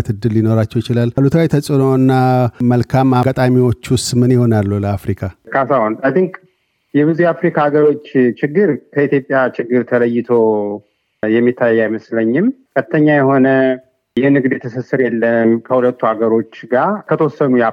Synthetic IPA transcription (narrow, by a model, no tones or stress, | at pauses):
t̪ʰɨd̪ːɨlːino̞ɾat͡ʃːɛwjɪt͡ʃɪlalːlut̪ʰwajt̪ʰəsʼɨno̞nːaməlkʰamaɡat̪ʼamiwo̞t͡ʃːwʊst̪ʼmɨnjɪho̞nalːuləːfɾikʰakʰasahonʼəd̪ɨŋkʼ | jɛβɨzujafɾikʰaːɡəɾo̞t͡ʃːt͡ʃɪɡːɨɾkʰəit̪jo̞pʼjat͡ʃɪɡːɨɾt̪ʰələjːɪt̪ʰo̞ | jɛmːit̪ʰːajːajməsləɲːɪmkʰət̪ʰːəɲːajɛho̞nə | jɛnɨɡd̪jɛt̪ʰəsəsɨɾjɛlːəmkʰəhulət̪ːuhaɡəɾo̞t͡ʃːɡakʰət̪ʰwosːənuj